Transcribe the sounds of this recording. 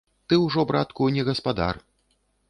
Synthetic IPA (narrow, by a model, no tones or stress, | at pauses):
t̪ɨwʐɔbɾat̪kunʲɛɣɐspad̪a̰r